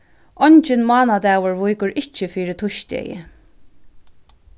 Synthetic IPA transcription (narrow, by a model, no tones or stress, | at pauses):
ʔɔɲt͡ʃɪnmɑːnad̪aːwʊɹvʊjkʊɹɪht͡ʃːɪfiːɾɪt̪ʰʊʃt̪ɛ̰jɪ̰